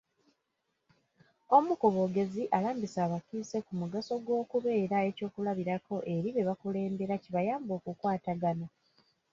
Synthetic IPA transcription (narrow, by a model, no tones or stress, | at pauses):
o̞mukoβo̞ɡe̞ziʔalaːmbisaːβakiːse̞kumuɡaso̞ɡwo̞ːkuβe̞ːɾae̞co̞ːkulaβiɾako̞ʔe̞ɾiβe̞βakule̞ːmbe̞ɾaciβajaːmbo̞ːkukwaːtaɡana